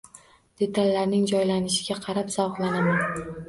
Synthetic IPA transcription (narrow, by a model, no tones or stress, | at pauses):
d̪̥e̞t̪ʰalːaɾnɪŋd͡ʒɒjlanɪʃɪ̥ɡʲaqʰɑɾapz̥awχlˠanaman